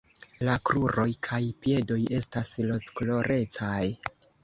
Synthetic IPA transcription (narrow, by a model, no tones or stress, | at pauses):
lakɾuɾo̞jkʰajpie̞do̞je̞staslo̞t͡sklo̞ɾʔe̞t͡saj